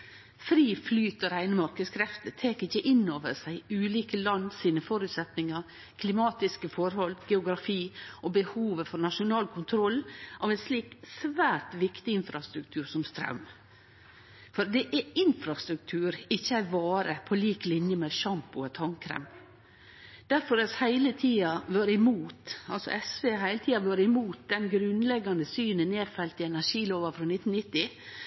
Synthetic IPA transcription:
fɾiːflyːt̪əɾæɪnəmɑɾkəskʰɾɛft̪əɾt̪ʰeːkɪçːəʔɪnːoːʋəɾsæɪʉːliːkəlɑnsiːnəfɔːɾʉt̪sɛt̪nɪŋəɾ | kʰlɪmɑːt̪ɪskəfɔɾhɔlɡ̥ɛʊɡɾɑfiːɔbəhuːʋəfɔɾnɑʃʊnɑːlkʰʊnt̪ʰɾɔlːʔɑːʋɛnsliːksʋæːɾt̪ʋɪkt̪ɪɪnfɾɑst̪ɾʉkt̪ʰʉːɾsɔmst̪ɾɑ̰ʉm | fɔɾd̪ɛʔɛɪnfɾɑst̪ɾʉk̚t̪ʰʉːɾɪçːəæɪʋɑːɾəpʰɔliːklɪnjəmɛʃɑmpʊɛt̪ʰɑŋkʰɾɛ̰m | d̪̥æɾfɔɾɛshæɪlət̪ʰiːɑʋøːɾɪmuːt̪ɑ̰lsɔ̰ʔɛsʋeːɦæɪlət̪ʰiːɑʋøːɾəɪmuːt̪̚d̪ɛnɡɾʉnlɛɡːɑnd̪əsyːnənneːfɛlt̪ɪɛnæʂiːloːʋɑfɾɔnɪt̪ːn̩nɪt̪ːɪ

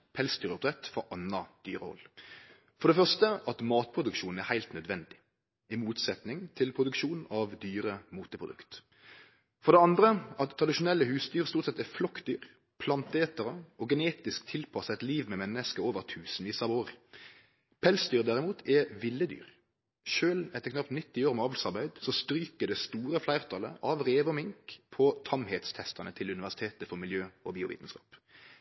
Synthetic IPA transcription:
pʰɛlsd̪yːɾʊp̚d̪ʁɛt̪fɔʔɑnːɑd̪̥yːɾəɔ̰lː | fɔʁɖ̪ɛfœʁʂt̪əʔɑt̪mɑːt̪̚pʰʁʊd̪ʉkʃuːn̩æhæɪlt̪nœd̪ʋɛnd̪ɪ | ɪmuːt̪sɛt̪nɪŋt̪ʰɪlpʰʁʊd̪ʉkʃuːnɑʋd̪yːɾəmuːt̪əpʰɾʊd̪ʉ̰kt̪ | fɔʁd̪ɛɑnd̪ʁəʔɑt̪ʰːɾɑd̪ɪʃʊnɛlːəhʉːsd̪yːʁst̪uːt̪sɛt̪ɛæflɔkːd̪yːɾ | pʰlɑnt̪əeːt̪əʁəɔɡəneːt̪ɪskt̪ʰɪlpʰɑsəɛt̪liːʋmɛmɛnːəskəoːʋəʁt̪ʰʉːsənʋiːsɑʋoːʁ | pʰɛlsd̪yːʁd̪æʁɪmuːt̪ʰɛʋɪlːəd̪y̰ːʁ | ʃøːlɛt̪ːəɾkʰnɑpt̪nɪt̪ːɪoːʁmɛɑːʋlsɑʁbæɪd̪sɔst̪ɾyːkəd̪ɛst̪uːɾəflæɪʁt̪ʰɑlə̰ʔɑʋʁeːʋəɔmɪŋkpʰɔt̪ʰɑmheːt̪st̪ʰɛst̪ɑnət̪ʰɪlʉnɪʋæʁsɪt̪ʰeːt̪əfɔʁmɪljøːɔbiːʊʋḭːt̪n̩skɑ̰ːp

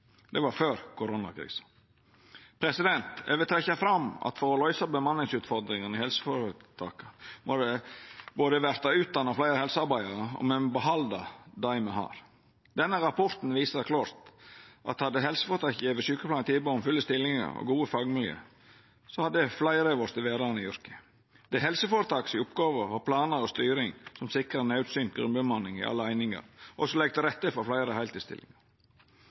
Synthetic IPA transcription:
d̪ɛʋɑɾføːɾkʰʊɾʊnɑ̰kʰɾḭːs | pʰɾɛsɪd̪ɛnt̪ɛʋət̪ʰɾɛçːɑfɾɑmɑ̰t̪fɔɾɔlɔʏsɑbəmɑnːɪŋsʉːt̪fɔɾd̪ɾɪŋənɪhɛlsə̥fɔɾət̪ʰɑ̰ːkəmɔd̪əboːd̪əʋæɾt̪ɑʉːt̪̚d̪ɑnːɑflæɪɾəhɛlsəɑɾbæɪɑɾəɔ̰mɛnbəɦɑld̪ɑd̪ɑɪməhɑ̰ːɾ | d̪ɛnːəɾɑpʰɔɾt̪n̩ʋiːsəkʰlɑːɾt̪ʔɑ̰t̪hɑd̪ːəɦɛlsə̥foːɾət̪ʰɑːkjiːʋəʃʉːkə̥plɑːnt̪ʰiːboːmfʉlːəst̪ɪlːɪŋə̰ɾɔ̰ɡuːəfɑːɡmɪljø̰ː | sɔhɑd̪əəflæɪɾeːʋəst̪ɪlʋeːd̪ɑnəɪʏɾkə̥ | d̪̥ɛɦɛlsəfoːɾət̪ʰɑːksɪʊpɡɑːʋəʋɑpʰlɑːnəɾɔst̪yːɾɪŋsɔmsɪkɾənɑʉt̪syːnt̪̚ɡɾʉ̰mbəmɑnɪŋɪ̰ʔɑ̰lːəæɪnɪŋə̰ɾʔɔsɔlɛɡ̚t̪əɾɛt̪ːəfɔflæɪɾəhæɪt̪ɪst̪ɪ̰lɪ̰ŋɑ

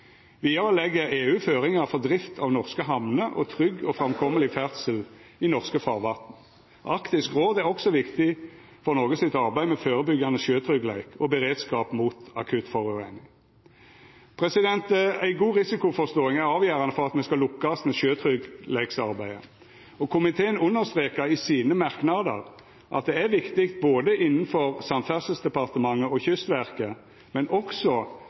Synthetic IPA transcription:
ʋiːɑʁəlɛɡːəʁeːʉːføːʁɪŋɑfɔʁd̪ʁɪft̪ʰɑʋnɔʁskəɦɑmnəʔɔ̰t̪ʰʁʏɡɔfʁɑmkʰɔməlɪfæʁt̪səlɪnɔʁskəfɑːʁʋɑt̪n̩ | ʔɑkt̪ɪskʁoːd̪æʁɔksɔʋɪkt̪ɪ | fɔʁnɔːɡəsɪt̪ɑʁbæɪmɛføːʁəbʏɡjɑnəʃøːt̪ʰʁʏɡlæɪkʰɔbəʁeːd̪skɑːpmuːt̪ɑkʰʉt̪fɔʁʉenɪŋ | pʰʁɛsɪd̪ɛnt̪əæɪɡuːʁɪsɪkʊfɔst̪oːɪŋæɾɑːʋjæːɾɑnəfɔʁɑt̪mɛskɑlʊkːɑst̪mɛʃøːt̪ʰɾʏɡlæɪksɑɾbæɪə̰ | ɔkʰʊmɪt̪ʰeːənʊnːəɾst̪ʁeːkəɾɪsiːnəmɑʁknɑd̪ə̰ʁ | ʔɑ̰t̪̚d̪ɛæɾʋɪkt̪ɪkt̪̚boːd̪əʔɪnːn̩fɔɾsɑnfæsəsd̪ɛpɑʁt̪əmɑŋːəɔçʏst̪ʋæʁkə | mɛnʔɔksɔ

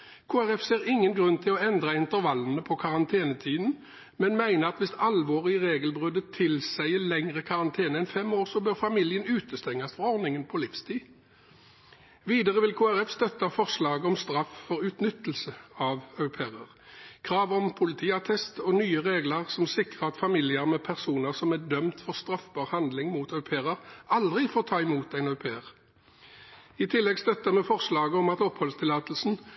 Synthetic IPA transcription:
kʰoːæʁɛfseːʁɪŋːənɡʁʉnːt̪ʰɪlɔɛnd̪ʁɑɪnt̪əʁʋɑlːn̩əpʰɔkʰɑʁɑnt̪ʰeːnət̪ʰiːd̪n̩ | mɛnmæɪnəʁɑt̪ʋɪst̪ɑlʋoːʁɪəʁeːɡəlbʁʉd̪ət̪ʰːɪlsæɪəlɛŋʁəkʰɑʁɑnt̪ʰeːnəɛnfɛmoːʁsɔbøːʁfɑmɪljənʉːt̪əst̪ɛŋːɑsfɔʁɔʁnɪŋənpʰɔlɪfst̪ʰiː | ʋiːd̪əʁəʋɪlkʰuːæʁɛfst̪œt̪ːɑfɔʁslɑːɡəɔmst̪ɾɑffɔʁʉːt̪nʏt̪ːəl̩səɑʋœʉpʰeːʁəʁkʰʁɑːʋɔmpʰʊlɪt̪ʰiːɑt̪ʰɛst̪ɔnyːəʁeːɡləʁsɔmsɪkʁəɑt̪fɑmɪlɪəʁmɛpʰæʁsuːnəʁsɔmæd̪œmt̪fɔʁst̪ʁɑfbɑʁhɑnd̪lɪŋmuːt̪œʉpʰeːʁəʁɑld̪ʁɪfoːʁt̪ʰɑːɪmuːt̪æɪnœʉpʰeːəʁ | ɪt̪ʰɪlːɛɡst̪œt̪əmɛfɔʁslɑːɡəɔmɑt̪ɔphɔlst̪ʰɪlɑːt̪əl̩sn̩

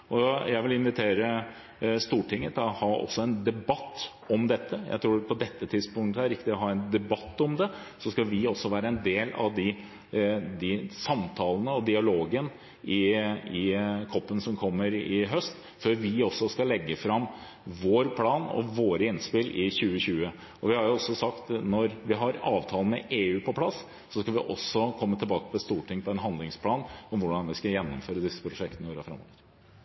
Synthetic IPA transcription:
ʔɔjæɪʋɪlɪnʋɪt̪ʰeːɾə | st̪uːʈɪŋːət̪ʰɪlɔhɑːɔ̰sːɔɛnd̪ɛbɑt̪ː | ɔmd̪ɛt̪ːəjæ̰ɪt̪ʰɾuːpʰɔd̪ɛt̪ʰːət̪ʰɪd̪spʊŋt̪əhæɾɪkːəd̪ɪɔɦɑːɛnd̪ɛbɑt̪ːɔmd̪ɛ | sɔskɑʋɪɔsːɔʋæːɾəɛnd̪eːlɑ̰ʋd̪ɪ | d̪ɪsɑmt̪ʰɑːlənəɔd̪ɪɑloːɡən | ɪɪkʰɔpːənsɔmkʰɔmːəɾɪɦœst̪ | føːɾʋɪɔsːɔskɑlɛɡːəfɾɑmː | ʋoːɾpʰlɑːnɔ̰ʋoːɾəɪnːspɪlʔɪçʉːəɕʉːə | ɔʋɪhɑɾjʊɔsːɔsɑkt̪nɔɾʋɪɦɑɾɑːʋt̪ʰɑːlnmɛ̰ʔeːʉːpʰɔpʰlɑsː | ɔskɑʋɪʔɔsːɔkʰɔmːət̪ʰɪlbɑːkə̥pʰɔɛst̪uːʈʰɪŋpʰɔɛnɦɑnd̪lɪŋspʰlɑːnɔmʋʊɖɑnʋɪskɑjɛnːɔmføːɾəd̪ɪsːə̥pʰɾʊʂɛk̚t̪nəɪoːɾɑfɾɑ̰mːo̰ːʋəɾ

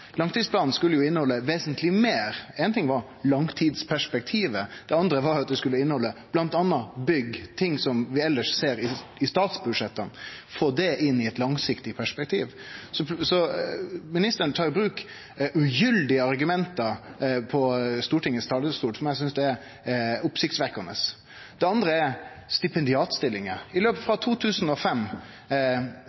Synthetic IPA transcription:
lɑŋt̪id̪spʰlɑːn̩skʉlːəjʊɪnːəhɔlːəʋeːsənt̪ʰlɪmeːɾɛɪnt̪ɪŋʋɑɾ | lɑŋt̪ʰiːd̪spʰæʂpɛk̚t̪ʰiːʋəd̪̥ɛɑnd̪ɾəʋɑɾjʊɑt̪̚d̪ɛskʉlːəɪnːəhɔlːəb̥lɑnt̪ɑnːɑbʏɡt̪ʰɪŋsɔmʋɪɛlːəʂseːɾɪɪst̪ɑːt̪sbʉd̪ʂɛt̪ːənfoːd̪ɛʔɪnːɪɛt̪lɑŋsɪkt̪ɪpʰæʂpɛk̚t̪ʰiːʋsɔsɔ | mɪnɪst̪əɾənt̪ʰɑːɾbɾʉːk | ʔʉjʏld̪ɪəɑɾɡʉmɛnt̪əɾpʰɔst̪uːʈɪŋːəst̪ʰɑːləst̪uːlfɔɾmæɪs̬ʏnsd̪ɛɛɾ | ʊpsɪkt̪sʋæɾkɑnə̰s | d̪̥ɛɑnd̪ɾəɛɾst̪ɪpɛnd̪ɪɑːt̪st̪ɪlːɪŋəɪløːpəfɾɑt̪ʰuːt̪ʰʉːsn̩ɔfɛmː

